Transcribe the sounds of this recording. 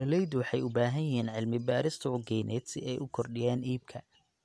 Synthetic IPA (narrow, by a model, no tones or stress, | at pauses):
ɐlɛjd̪ʊwɑħɑjʊbaːɦɐjɐɦiːnʕɪlmɪbaːɾɪst̪ʰɐʊɡɛjnɛ̰ːd̪sɪɛjʔʊkʰɔrɖɪjaːniːb̚kʰɐ